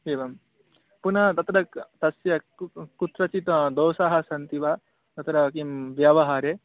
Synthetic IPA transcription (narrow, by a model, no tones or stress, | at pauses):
eːʋɐm | punɐt̪ɐt̪ɾɐt̪ɐsjɐ | kut̪ɾɐt͡ʃit̪d̪oːsaɦɐsɐnt̪iʋa | t̪ɐt̪ɾɐkimʋjaːʋɐɦaːɾeː